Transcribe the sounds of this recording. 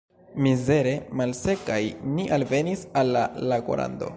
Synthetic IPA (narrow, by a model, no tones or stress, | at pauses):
mize̞ɾe̞malse̞kajniʔalve̞nisalːalaɡo̰ɾʔa̰ndo̞̰